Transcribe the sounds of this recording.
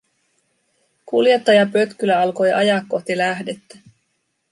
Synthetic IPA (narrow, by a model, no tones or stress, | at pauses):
kulje̞t̪ːɑjɑpø̞t̪kylæɑlko̞jʔɑjɑkːo̞ht̪ilæɦde̞t̪ːæ̥